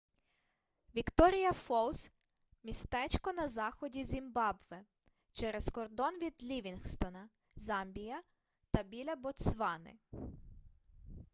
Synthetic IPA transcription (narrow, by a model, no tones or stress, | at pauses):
ʋʲikt̪ɔɾʲijɐfɔlˠs | mʲist̪ɛt͡ʃkɔnɐzɑxɔdʲizʲimbɑbʋɛ | t͡ʃɛɾɛskɔrd̪ɔnʋʲid̪lʲiʋʲinxst̪ɔnɐ | zɑmbʲijɐ | t̪ɐbʲilʲɐbɔt̪sʋɑnɪ̰